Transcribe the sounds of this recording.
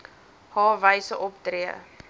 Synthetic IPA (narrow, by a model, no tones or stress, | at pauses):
hɑːvəjsəʔɔp̚triə